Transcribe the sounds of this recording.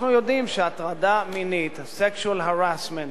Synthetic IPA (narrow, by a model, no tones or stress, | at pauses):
nujo̞d̪imʃeat̪ʁad̪aminit̪sekʃualɦaʁasment